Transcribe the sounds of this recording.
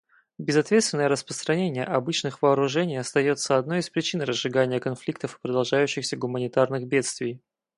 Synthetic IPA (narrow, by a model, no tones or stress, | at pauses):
bʲɪzɐt̪vʲet̪st̪vʲɪnːəjəɾəspɾəst̪ɾɐnʲenʲɪjə̰ʔɐbɨt͡ɕnɨxvəːɾʊʐɛnʲɪjɐst̪ɐjo̞t̪səɐd̪no̞jispɾʲɪt͡ɕinrəzʐɨɡanʲɪjəkɐnflʲik̚t̪əfpɾəd̪ɐlˠʐajʉɕːɪxsʲəɡʊmənʲɪt̪arnɨɣbʲe̞t̪st̪vʲɪj